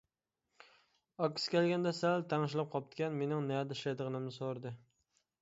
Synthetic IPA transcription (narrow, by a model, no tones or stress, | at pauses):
ɒkʲsɪ̥kʲelɡʲand̪asalt̪ʰaŋɪʃlap̚qʰɒp̚t̪kʲanme̞nɪŋnajad̪ɪʃed̪ʁɨnɪmnɪsoɾd̪ɪ